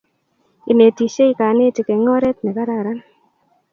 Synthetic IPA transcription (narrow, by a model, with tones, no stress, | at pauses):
i˨ne˨ti˨ʃe˦i˦ka˨˦ne˦ti˨kɛ˨ŋɔ˦ɾɛ˦t̪̚nɛ˨ka˦ɾa˦˨ɾa˦n